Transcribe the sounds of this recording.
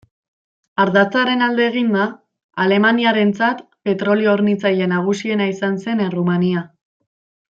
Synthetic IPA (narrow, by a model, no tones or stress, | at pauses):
aɾðat͡saɾe̞nald̪e̞ːɣ̞ind̪a | ale̞maniaɾe̞nt͡sat̪ | pe̞t̪ɾo̞lio̞ːɾnit͡saje̞naɣ̞usie̞naisanse̞nerumania